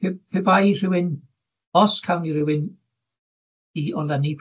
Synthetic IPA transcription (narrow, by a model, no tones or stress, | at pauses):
pʰebajr̥ɪwɪn | ɔskʰawnirɪwɪn | iɔlənipʰ